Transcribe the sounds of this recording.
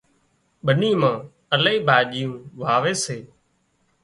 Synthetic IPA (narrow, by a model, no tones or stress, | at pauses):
ɓʱəniːmãː | ələiːbʱaːʄɪjũːʋaːʋeːseː